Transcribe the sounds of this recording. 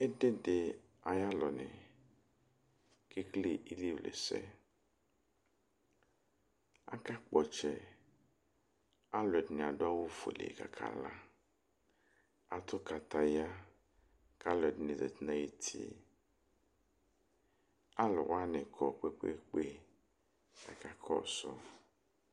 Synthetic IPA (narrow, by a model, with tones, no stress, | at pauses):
e˦de˦de˨ | a˨ja˦lɔ˨nɛ˨ | ke˦kle˦i˦li˦o˨lḛ˨sɛ̰˦ | a̰˦ka˦k͡pɔ˨t͡ʃɛ˨ | a˦lɛ˨dɪ˨nɪ˨a˨dʊ˦a˦wo˦fo̰˨lḛ˨ka̰˨kʰa̰˨la˦ | a˨tʊ˦ka˨ta˧ja˦ | ka˦lɛ˨dnĩ˨zɛ̰˨t̪nã˨je˨tʰḭ˨ | a˦lɔ˨wa˦nɛ˨kʰɔ˨k͡pe˦k͡pḛ˦k͡pe˦ | a̰˨ka˦kʰɔ̰˦˨sɔ˦